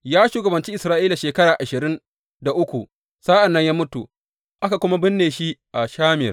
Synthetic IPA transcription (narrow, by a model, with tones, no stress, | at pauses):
jaː˦ʃuː˦˨ɡɐ˨bɐ˨nt͡ʃiː˦ʔɪ˨sɾaː˦ʔiː˦la˨ʃeː˨kɐ˦ɽaː˨ʔa˨ʃɪ˨ɾɪ˦n | da˨ʔʊ˦kʷu˨ʔ | sa˦ʔa˨nːɐ˦ɲjaː˦mʊ˦tu˨ | ʔa˦ka˨kʷʊ˦ma˦bɪ˦nːeː˨ʃi˦ʔa˨ʃaː˦mɪ̰˨r